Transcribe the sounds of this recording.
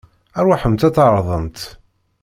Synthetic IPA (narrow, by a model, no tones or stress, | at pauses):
æɾwaħəmt̪æt͡s̪ːɑɾˤðˤənt̪